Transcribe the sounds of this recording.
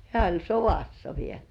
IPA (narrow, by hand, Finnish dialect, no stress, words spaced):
hĕæˑ olʲ soʋɑsːɑ ʋiel